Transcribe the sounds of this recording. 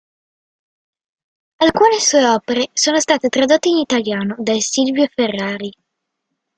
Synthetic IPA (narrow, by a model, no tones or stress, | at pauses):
alkuːnesuːeɔːpeɾesoːnost̪aːt̪et̪ɾad̪ot̪ːeinit̪aljaːnod̪ajsilvjoferːaːɾi